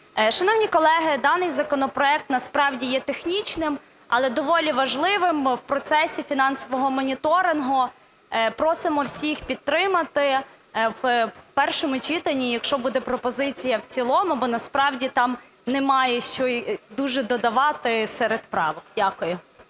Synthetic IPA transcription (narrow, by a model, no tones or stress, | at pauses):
ʃɐnɔwnʲikɔlˠɛɦɪd̪ɑnɪjzɐkɔnɔpɾɔɛk̚t̪nɐspɾɑwdʲijɛt̪exnʲit͡ʃnɪm | ɐlˠɛd̪ɔʋɔlʲiʋɐʒlˠɪʋɪmwpɾɔt̪sɛsʲifʲin̪ɑnsɔʋɔɦɔmɔnʲit̪ɔɾɪnɦʊ | pɾɔsɪmɔwsʲixpʲit̪̚ːɾɪmɐt̪ɪ | wpɛrʃɔmʊt͡ʃit̪ɐnʲːijɐkʃt͡ʃɔbud̪ɛpɾɔpɔzɪt͡sʲijɐwt͡sʲilˠɔmʊbɔnɐspɾɑwdʲit̪ɑm | nɛmɑjɛʃt͡ʃɔd̪uʒɛd̪ɔd̪ɐʋɑt̪ɪsɛɾed̪pɾɑ̰ʋɔkd̥ʲakʊjʊ